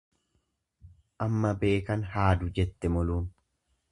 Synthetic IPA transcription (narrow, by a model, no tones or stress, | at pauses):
ʔɐmːɐbe̞ːkɐnhaːd̪ʊd͡ʒɛt̪ːɛmɔluːn